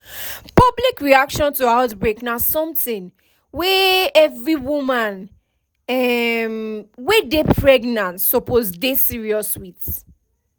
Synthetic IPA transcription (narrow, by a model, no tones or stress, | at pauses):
pɔblikɹiakʃɔ̃ntuaʊtbɹeknasɔ̃mθĩn | wɛɛvɹiwumãn | ɛmwɛdepʰɹɛɡnãntsɔpozdesiɹiɔswit